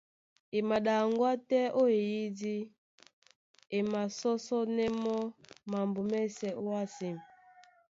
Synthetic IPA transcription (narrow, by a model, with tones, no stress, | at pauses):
e˨ma˨ɗa˨ŋɡwa˦tɛ˦ʔo˦e˨ji˦di˦ | e˨ma˨sɔ˦sɔ˦nɛ˦mɔ˦ma˨mbo˨mɛ˦sɛ˨ʔo˦wa˦si˨m˨